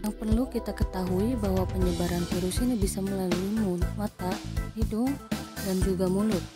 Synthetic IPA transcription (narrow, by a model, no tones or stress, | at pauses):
jaŋpərlukit̪akət̪aɦuibahwapəɲəbaɾanfiɾusinibisaməlaluimumat̪ahidʊŋdand͡ʒuɡamulʊt̪̚